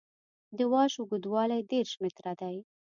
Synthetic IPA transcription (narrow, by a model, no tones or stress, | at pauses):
d̪əwɑʃʊɡud̪wɑlajd̪eɾʃmɪt̪ɾad̪aj